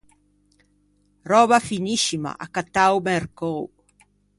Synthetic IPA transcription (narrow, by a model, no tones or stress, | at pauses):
rɔβafiniʃima̰ʔa̰kat̪awmeɾkow